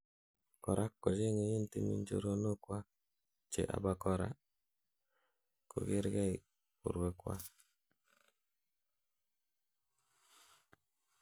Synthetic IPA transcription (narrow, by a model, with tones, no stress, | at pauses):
kɔ˨ɾʔa˦kːo˨d͡ʒe˦ŋe˨ɲe˦nti˦mḭ˦ɲ˦d͡ʒo̰˦ɾo˦no˦kwa˦ | t͡ʃḛ˨ʔa̰˨ba˦kɔ˦ɾa̰˦ | ko̰˨ɡe˦ɾɡɛ˦i˨ | ṵ˨ɾwe˨kwa̰˦